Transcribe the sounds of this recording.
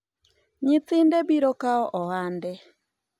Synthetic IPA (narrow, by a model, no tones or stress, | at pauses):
ɲit͡sɪndebiɾokaɔʔɔwandɛ